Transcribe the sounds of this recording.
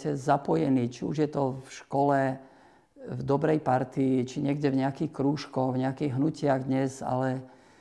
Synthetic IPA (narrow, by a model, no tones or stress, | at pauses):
cɛzapɔjɛniːt͡ʃiṵʒjɛt̪ɔfʃkɔlɛ | vd̪ɔbɾɛjpaɾt̪iːt͡ʃiɲɛɡɟɛvɲɛakiːxkɾuːʃkɔɣvɲɛakiːɣɦnucɪaɣd̪ɲɛza̰lɛ